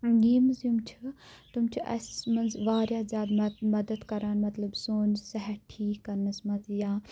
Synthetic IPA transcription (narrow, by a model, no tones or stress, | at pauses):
ɡeːmzjumt͡ʃʰut̪umt͡ʃʰiʔɐ̰smɐnzʋaːɾjaːzjaːd̪mɐd̪əd̪kɐɾaːnmɐt̪ləbsoːnsɐɦɛʈʰiːkːɐɾnəsmɐzjaː